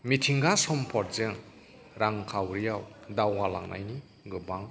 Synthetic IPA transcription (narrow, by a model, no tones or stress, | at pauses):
mitʰiŋɡasɔmpʰɔt̚zɯŋ | ɾaŋkʰawɾijawdawɡala̰ŋnʔa̰jni | ɡɯbaŋ